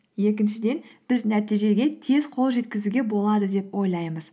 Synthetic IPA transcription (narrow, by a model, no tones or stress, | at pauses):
je̞kʲɪnʃɪd̪e̞nb̥ɪznæt̪ijʒe̞ɡʲe̞t̪ʰe̞zqʰo̞lˠʒe̞t̪kʲɪzuɡʲe̞bo̞lˠɑd̪əd̪e̞pwo̞jlˠɑjməz̥